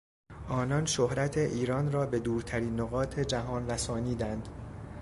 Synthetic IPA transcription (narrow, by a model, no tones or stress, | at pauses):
ʔɒːnɒnʃohɾæt̪ʰe̞ʔiːɾɒːnrɒːbe̞d̪uːɾt̪ʰæɾiːnːoɣɒːt̪ʰe̞d͡ʒæɦɒːnræsɒːniːd̪ænd̪